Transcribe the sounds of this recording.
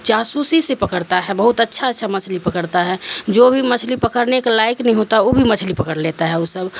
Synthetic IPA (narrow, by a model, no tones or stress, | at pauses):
d͡ʒaːsusisepəkəɽt̪aɦɛbəɦʊt̪ətːʃʰaətːʃʰamət͡ʃʰlipəkəɾt̪aɦɛd͡ʒobʱimət͡ʃʰlipəkəɾneklaːɪknɛɦĩɦot̪aɦɛobʱimət͡ʃʰlipəkəɾleːt̪aɦɛosəb